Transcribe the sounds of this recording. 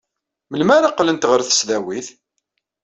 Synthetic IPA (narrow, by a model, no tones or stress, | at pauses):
məlmæɾaqːlənt̪ʁəɾθə̥sðæwiθ